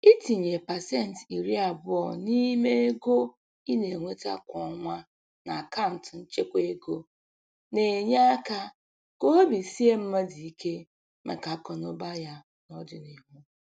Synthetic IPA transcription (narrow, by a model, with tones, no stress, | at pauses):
i˦ti˨ɲe˨pa˨se˦˨n̩˨ti˨ɾi˦a˨bʊ˦ɔ˨ni˦me˦e˦ɡo˦ | i˦ne˨ŋʷe˦ta̰˦kʷɔ˨˦ŋʷa˦ | na˨a˨ka˦ʊ˨n̩˨tn̩˦t͡ʃe˦kʷe˦ɡo˦ | ne˨ɲa˦a˦ka˦ | ko˦o˦bi˨si˦e˦m̩˦me˦di˨i˦kʰe˦ | mḛ˨ka˨˦kɔ˨no˦ba˦ja˦ | nɔ˦dɪ˨ni˨ɦʊ˦